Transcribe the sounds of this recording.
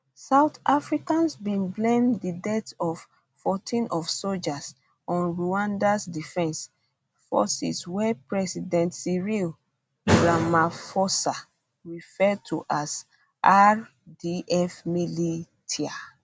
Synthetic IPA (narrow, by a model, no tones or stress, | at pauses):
saʊtafɹikãnsbĩnblẽmdidɛtɔf | fɔtʰĩnʔɔfsold͡ʒas | ɔ̃nɹuãndasdifɛ̃ns | fɔ̰sḭswɛpɹɛsidɛ̃ntsiɹil | ɹamafɔsa | ɹifɛd̚tʰuʔas | ʔaɹ | diʔɛfmili | tʰia